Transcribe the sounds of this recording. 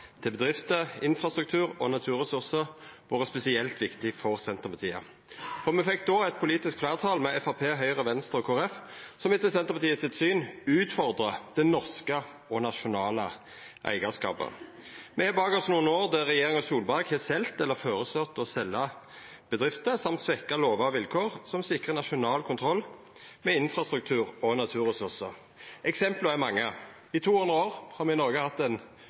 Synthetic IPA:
t̪ʰɪlbəd̪ʁɪft̪əɪnfɾʁɑst̪ʁʉk̚t̪ʰʉːɾɔ̰nɑt̪ʰʉːɾʁɛsʊʁsəɾʋɑːʁəspɛsɪɛlt̪ʋɪkt̪ɪfɔʁsɛnt̪əʁpɑt̪ʰiːə̰ | fɔʁmɛfɛk̚ːd̪oɛt̪̚pʰʊliːt̪ɪskflæɪʁt̪ʰɑːlmɛʔɛfɑpʰeːɦœʏʁəʋɛnst̪əʁɔkʰoːɛfsɔmɪt̪ːəsɛnt̪əpʰɑt̪ʰiːəsɪt̪syːnʉːt̪fɔʁd̪ʁəd̪̥ɛnɔʁskə | ɔnɑʃʊnɑːlə | ʔæ̰ɪɡɑskɑ̰ːpə̰ | mɛhɑːbɑːɡəsnuːənoːʁd̪æʁɛjeːʁɪŋɑsuːlbɑɡhɛːsɛlt̪ɛlːəfoːɾəsœt̪ːɔsɛlːɑ | b̥əd̪ʁɪft̪əsɑmt̪sʋɛkːɑloːʋɑɑʋɪlkʰoːʁsɔmsɪkʁənɑʃʊnɑːlkʰʊnt̪ʰɾɔlː | mɛɪnfɾɑst̪ɾʉk̚t̪ʰʉːʁɔnɑt̪ʰʉːʁəsʉʁsəɾ | ɛksɛmpləɛmɑŋːə | ɪt̪ʰuːhʉnd̪ʁəoːʁhɑɾmɛɪnɔɾʁɡəhɑt̪ːɛn

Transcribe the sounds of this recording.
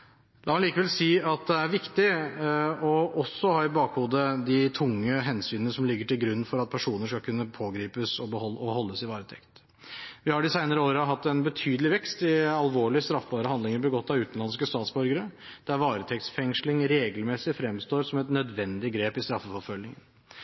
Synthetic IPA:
lɑːmɑliːkəʋɛlsiːɑt̪̚d̪ɛæɾʋɪkt̪ɪ | ɔʔɔsːɔhɑːɪbɑːkhuːd̪əd̪ɪt̪ʰʊŋːəɦɛnsyːnənəsɔmlɪɡːəʈɪlɡɾʉnːfɔɾɑt̪̚pʰæʂuːnəʂkɑlkʰʉnːəpʰoːɡɾiːpəsɔbəhɔɔhɔlːəsɪʋɑːɾət̪ʰɛkt̪ | ʋɪhɑɖɪsæɪnəɾəoːɾəɦɑt̪ːɛnbət̪ʰyːd̪əlɪʋɛkst̪ɪɑlʋoːɭɪəst̪ɾɑfːəbɑːɾəhɑnd̪lɪŋəɾbəɡɔt̪ːɑʉːt̪nlɑnskəst̪ɑːt̪sbɔɾɡəɾəd̪̥æɾʋɑːɾət̪ʰɛk̚t̪sfɛŋʂlɪŋɾeːɡəlmɛsɪfɾɛmst̪oːɾsɔmɛt̪nœd̪ʋɛnd̪ɪɡɾeːpɪst̪ɾɑfːəfɔfœlːɪŋən

